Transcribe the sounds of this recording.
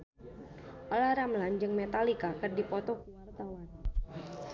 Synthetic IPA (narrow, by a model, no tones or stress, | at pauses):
ʔɔlahɾamland͡ʒɨŋmet̪alikakɨrdipɔt̪ɔkuwart̪awan